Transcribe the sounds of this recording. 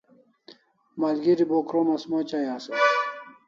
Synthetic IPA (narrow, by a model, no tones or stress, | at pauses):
malɡiɾibokɾomɐsmot͡ɕajaːse